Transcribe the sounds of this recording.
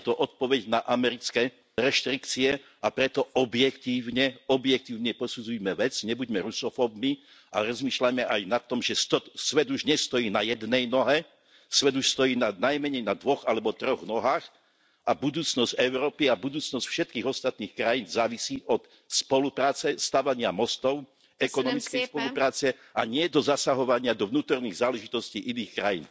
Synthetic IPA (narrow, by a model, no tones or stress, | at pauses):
t̪ɔʔɔt̪̚pɔʋɛɟnaʔamɛɾit͡skɛ | ɾɛʃt̪ɾikt͡siɛ | apɾɛt̪ɔɔbjɛkt̪iːʊɲɛɔbjɛk̚t̪iːʊɲɛpɔsud͡zujmɛʋɛd͡zɲɛbuɟmɛɾusɔfɔbmi | a̰ɾɔzmiːʃlamɛʔajnat̪ːɔmʒɛst̪ɔsʋɛd̪uʒɲɛst̪ɔjiːnajɛd̪nɛjnɔɦɛ | sʋɛd̪uʃst̪ɔjiːnanajmɛɲɛjnad̪ʋɔɣalɛbɔt̪ɾɔɣnɔɦaːx | ʔabud̪uːt͡snɔsɟɛʊɾɔːpiabud̪uːt͡snɔscfʃɛt̪̚kiːɣɔst̪at̪̚niːxkɾajiːnzaːʋisiːʔɔt̪ | spɔlupɾaːt͡sɛst̪aːʋaɲɪamɔst̪ɔʊ | ɛkɔnɔmit͡skɛjspɔlupɾaːt͡sɛ | aɲɪɛd̪ɔzasaɦɔʋaɲɪad̪ɔʋnuːt̪ɔɾniːɣzaːlɛʒit̪ɔsciːʔiniːxkɾajḭːn